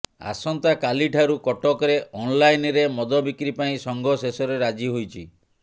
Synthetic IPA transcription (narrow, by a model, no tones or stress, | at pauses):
a̰sɔnt̪akaliʈʰaɾukɔʈɔkɔɾeʔɔnlajnɾemɔd̪ɔbikɾipaĩsɔŋɡʱɔsesɔɾeɾad͡ʒiɦojt͡ʃʰi